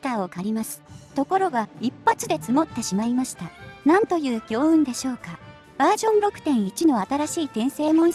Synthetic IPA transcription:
t̪aːo̞kaɾʲimasɨ̥t̪o̞ko̞ɾo̞ɡaipːat͡sɨd̪e̞t͡sɨmo̞t̪ːe̞ɕimaimaɕi̥t̪anãnt̪o̞jɯ̟ːɡʲo̞ːɯ̟̃nd̪e̞ɕo̞ːka | b̥aːʑõ̞nɾo̞kɯ̟̥t̪ẽ̞ɰ̃it͡ɕino̞at̪aɾaɕiːt̪ẽ̞ɰ̃se̞ːmõ̞ɰ̃

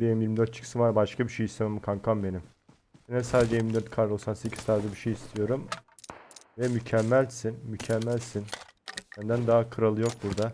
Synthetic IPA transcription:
benimjiɾmid̪øt̪̚t͡ʃʰɯ̥ksɯnvaɾbaʃkʰabiʃejist̪ʰememikʰaŋkʰambe̞nim | sinɛsaːd̪ed͡ʒejiɾmid̪øɾt̪kʰaɾo̞ksanse̞cʰiz̥t̪ʰaːɾd̪ɯbiʃejist̪ʰijo̞ɾum | vɛmycʰɛmːælʲsinmycʰɛmːælʲsinsænd̪ænd̪aɦakʰɯɾalˠɯjo̞k̚b̪uɾd̪a

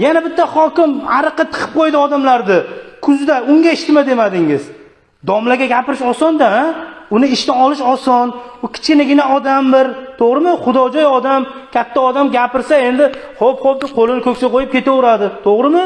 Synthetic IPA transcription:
janabɪt̪ʰːaχɒkʲɪmaɾɨqːɨt̪ʰɨ̥qʰɨ̥p̚qʰojd̪ɪɒd̪amlaɾd̪ɪkʰʊzd̪aʊŋɡʲaɪʃt̪ɪmad̪emad̪ɪŋɪz | d̪ɒmlaɡʲaɡʲapɪɾɪʃɒsɒnd̪aaʊnɪɪʃt̪aɒlɪʃɒsɒnʊkʲʰɪ̥t͡ʃkʲɪnaɡʲɪnaɒd̪ambɪɾt̪ʰoʁɾɪmɪχʊd̪ɒd͡ʒɒjɒd̪amkʲʰat̪ːaɒd̪amɡʲapɪɾsae̞nd̪ɪhopχop̚d̪ɪqʰolɪnɪkʰɵkʲsaqʰojɪp̚kʲʰe̞t̪aʊɾad̪ɪt̪ʰoʁɾɪmɪ

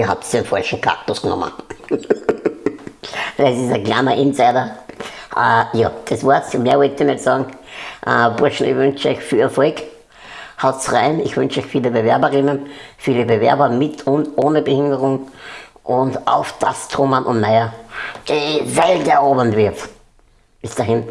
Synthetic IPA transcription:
iɐha̰p̚tsdenfalçn̩kʰa̰ʁtʊsɡ̥nɔ̰mə̰n | sɪsɐklaːnɐʔɪnsæɪdɐʔəjɑːd̪̥esvaɐsmeːɐʋœtːənɛsɑːɡŋ̩ʔəbʊɐʃn̩ɪ̰çʋʏnt͡ʃəœ̰ɪçfiːlɛɐfɔk | haʊtsʁaɪnɪçvʏnʃœɪçfiːləbevɛɐbɐʁɪnənfiːləbevɛ̰ɐbɐmɪtʰʊntoːnəbəhɪndəʁʊŋ | ʔʊndaʊfd̥astʰʁomanʔʊ̰ntnaɪɐd̥ivɛltɛɐoːbəntvɪɐt | b̥ɪsd̥aɦɪn

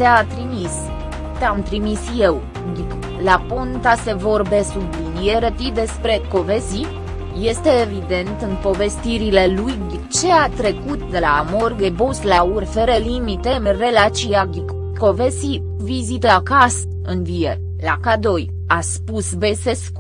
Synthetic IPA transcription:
t̪eat̪ɾimis | t̪eamt̪ɾimisjew | ɡʲik | lapont̪ase̞vo̞rbe̞sublinijeɾət̪id̪e̞spɾe̞ko̞vezi | je̞st̪e̞ːvid̪e̞nt̪ɨnpo̞ve̞st̪iɾile̞luj | t͡ʃe̞at̪ɾe̞kut̪d̪elamorɡebuslaurfeɾelimit̪e̞re̞lat͡ʃiaɡʲik | ko̞vesi | vizit̪lakast̪ | ɨnvijer | lakad̪o̞j | aspusbesesk

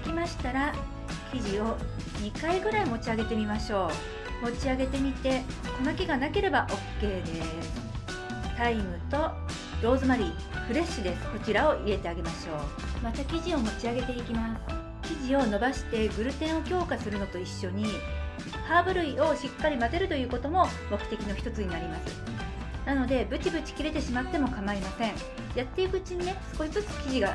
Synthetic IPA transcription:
kʲimaɕi̥t̪aɾa | kʲiʑio̞ | ɲ̟ikaiɡɯ̟ɾaimo̞t͡ɕiaɡe̞t̪e̞mʲimaɕo̞ː | mo̞t͡ɕiaɡe̞t̪e̞mʲit̪e̞konakʲiɡanake̞ɾe̞baʔo̞kːe̞ːd̪e̞ | sɨ̥ | t̪aimɯ̟t̪o̞ | ɾo̞ːzɨmaɾʲiː | ɸɯ̟ɾe̞ɕɨd̪e̞sɨ̥ko̞t͡ɕiɾao̞ʔie̞t̪e̞aɡe̞maɕo̞ː | mat̪akʲiʑio̞mo̞t͡ɕiaɡe̞t̪e̞ikʲimasɨ̥ | kʲiʑio̞no̞baɕi̥t̪e̞ɡɯ̟ɾɯ̟t̪ẽ̞ɰ̃o̞kʲo̞ːkasɨɾɯ̟no̞t̪o̞iɕːo̞ɲ̟i | haːbɯ̟ɾɯ̟io̞ɕikːaɾʲimat̪e̞ɾɯ̟t̪o̞jɯ̟ːko̞t̪o̞mo̞ | mo̞kɯ̟̥t̪e̞kʲino̞çʲi̥t̪o̞t͡sɨɲ̟inaɾʲimasɨ | nano̞d̪e̞bɯ̟t͡ɕibɯt͡ɕi̥kʲiɾe̞t̪e̞ɕimat̪ːe̞mo̞kamaimasẽ̞ɴ̃ | jat̪ːe̞ikɯ̟ɯt͡ɕiɲ̟ine̞sɨ̥ko̞ɕizɨt͡sɨ̥kʲiʑiɡa

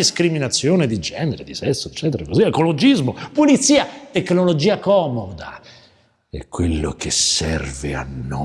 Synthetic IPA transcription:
iskɾiminat̪sːjoːned̪id͡ʒɛːneɾed̪isɛsːoet͡ʃːɛːt̪̬eɾakoziekolod͡ʒizmopulit̪sːiːat̪ekːnolod͡ʒiːakɔːmod̪a̰ | ɛ̰kːwelːokesɛrvea̰nːo

